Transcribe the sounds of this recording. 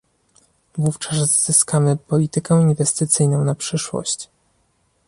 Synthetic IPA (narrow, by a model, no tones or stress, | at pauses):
vuft͡ʂaszz̥ɘskamɘpɔlʲit̪ɘkɛinvɛst̪ɘt̪sɘjnɔ̃w̃napʂɘʂwɔ̰ɕt͡ɕ